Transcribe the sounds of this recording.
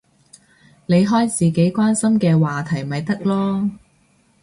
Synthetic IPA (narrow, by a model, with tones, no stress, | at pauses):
ne˨˧jɦɔː˥jt͡sʰiː˨ke˨˥jkʷwaː˥nsɐ˥mkɛː˧waː˨t̪ʰɐ˨˩jmɐ˨jt̪ɐ˥k̚lɔː˥